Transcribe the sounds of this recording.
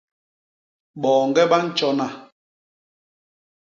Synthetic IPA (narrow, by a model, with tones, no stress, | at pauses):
ɓɔː˨ŋɡɛ˦ɓa˦n̩˦t͡ʃɔ˦na˨